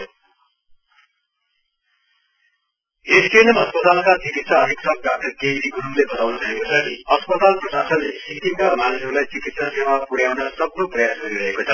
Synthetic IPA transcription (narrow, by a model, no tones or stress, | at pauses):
eskenʌmʌspʌt̪alkad͡zikit̪saʌɾʱiksʌk̚ɡaʈʌkejɾiɡʱuɾumlebʌt̪awnuɾʌɦekot͡sʰʌʌspʌt̪alprʌsasʌnesik̪imkamanʌsʌɾulajt͡sikit̪sasewapuɽjawnʌsʌbnoprʌjasɡʌɾiɾʌɦekot͡sʰʌ